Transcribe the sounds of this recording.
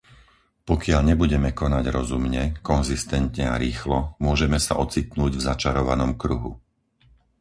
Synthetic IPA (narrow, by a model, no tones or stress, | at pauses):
pɔkɪaʎɲɛbuɟɛmɛkɔnaɟɾɔzumɲɛkɔnzist̪ɛnt̪ɲɛaɾiːxlɔmʊɔʒɛmɛsa̰ʔɔt͡sit̪nuːɟvzat͡ʃaɾɔʋa̰nɔmkɾuɦṵ